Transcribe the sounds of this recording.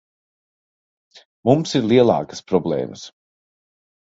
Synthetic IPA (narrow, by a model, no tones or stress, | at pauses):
mumsiɾliɛlˠa̰ːkə̥spɾɔblˠɛ̰ːməs